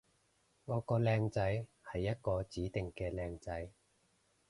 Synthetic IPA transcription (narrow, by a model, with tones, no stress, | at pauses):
ŋɔː˨˧kɔː˧lɛː˧ŋt͡sɐ˨˥j | hɐ˨jːɐ˥t̚kɔː˧t͡siː˨˥t̪ɪ˨ŋkɛː˧lɛː˧ŋt͡sɐ˨˥j